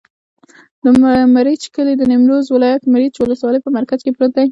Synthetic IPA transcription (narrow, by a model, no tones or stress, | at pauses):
d̪əmmaɾit͡ʃkəled̪ənɪmɾozwɪlɑjat̪maɾit͡ʃwʊləswɑləjpəmaɾkazkepɾot̪̚d̪aj